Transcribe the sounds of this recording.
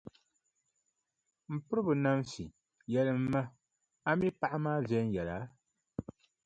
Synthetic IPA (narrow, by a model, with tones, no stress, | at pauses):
m̩˨pɨ˦ɾɨ˦bɨ˨na˦msi˨ | jɛ˨lɨ˦m̩˦ma˦ | a˦mi˦pa˦˨ʔa˦maː˦vjɛ˦n˦jɛ˨la˨˦